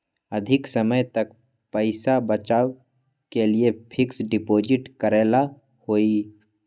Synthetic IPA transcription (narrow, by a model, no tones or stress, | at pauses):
əd̪ʱɪksəməjt̪ək̚ | pəɪsabət͡ʃaːw | keliepʰɪksɖɪpoːd͡ʒɪʈkəɾeːla | hoːi